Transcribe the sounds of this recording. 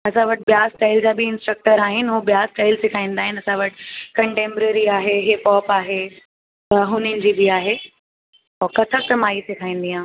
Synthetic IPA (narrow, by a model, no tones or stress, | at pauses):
ɐsãʋɐʈɪɓjaːsʈaːɪld͡ʑaːbiɪ̃nsʈɾək̚ʈəɾaːɦɪnɪ̆ɦubijaːsʈaːɪlsɪkʰaːĩːn̆d̪aːɦɪnɪɐsãʋɐʈʰɪ̥kɐ̃ɳʈẽːmbɾəɾiaːɦeɦeːpɔːpaːɦe | ɐɦʊnənɪ̆d͡ʑibiaːɦeː | ɔːkɐt̪ʰəsɐmaːisɪkʰaːĩn̆d̪iãː